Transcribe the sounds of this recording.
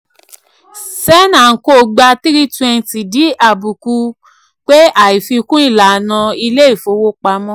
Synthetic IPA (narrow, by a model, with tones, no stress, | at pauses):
sɛ˦nã˨ko˦˨ɡ͡ba˧ti˦ɾi˦tɛ˧n˨ti˨di˨˦ʔa˦˨bu˨ku˧ | k͡pe˦a˦˨i˨fi˧kũ˦i˦˨la˨nã˧i˧le˦i˦˨fo˧˦wo˦k͡pa˧mɔ̃˦